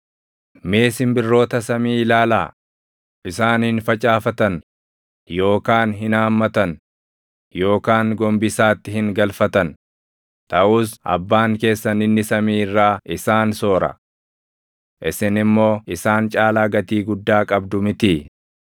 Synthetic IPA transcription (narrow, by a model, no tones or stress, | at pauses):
me̞ːsɪmbɪrːo̞ːt̪ɐsɐmiːlaːla̰ː | ʔɪsaːnhɪnfɐt͡ʃʼaːfɐt̪ɐn | jo̞ːkaːnɦɪnaːmːɐt̪ɐn | jo̞ːkaːŋɡɔmbɪsaːt̪ːɪhɪŋɡɐlfɐt̪ɐn | t̪ɐʔuːsʔɐ̰bːaːŋke̞ːsːɐnɪnːɪsɐmiːɪrːaːʔɪsaːnso̞ːɾɐ̰ | ʔɪsɪnɪmːo̞ːɪsaːnt͡ʃʼaːlaːɡɐt̪iːɡʊd̪ːaːkʼɐbd̪ʊmɪt̪i